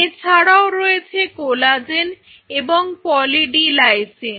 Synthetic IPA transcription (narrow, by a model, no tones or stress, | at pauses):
et͡ɕʰaɽaoɾɔet͡ɕʰekolad͡ʑen | eboŋpɔliɖilajsen